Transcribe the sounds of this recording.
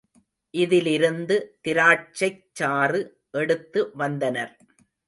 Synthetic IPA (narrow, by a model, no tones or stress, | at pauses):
ʔɪðɪlɪɾɯnd̪ɯt̪ɪɾaːt͡ʃːɐɪt͡ʃːaːrɯ | ʔɛɽɯt̪ːɯʋɐnd̪ɐnɐɾ